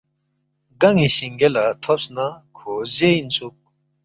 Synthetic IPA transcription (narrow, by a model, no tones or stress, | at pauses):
ɡaŋiɕiŋɡelat̪ʰop̚snakʰoʑejint͡sʰuk̚